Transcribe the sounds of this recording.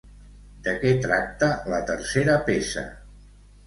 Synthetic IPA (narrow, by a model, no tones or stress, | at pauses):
d̪əkɛt̪ɾak̚t̪ələt̪əɾseɾəpesə̰